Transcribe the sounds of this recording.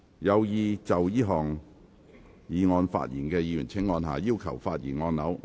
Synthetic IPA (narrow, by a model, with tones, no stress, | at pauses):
jɐ˨˧wjiː˨˧t͡sɐ˨wjiː˥ɦɔː˨ŋ | jiː˨˧ŋɔː˧nfa̰ː˧t̚jḭː˨˩nkɛː˧jiː˨˧jyː˨˩nt͡sʰɪ˨˧˥ŋːɔː˧nɦa̰ː˨jiː˥wkʰɐ˨˩wfaː˧t̚jiː˨˩nŋɔː˧nnɐ˨˥w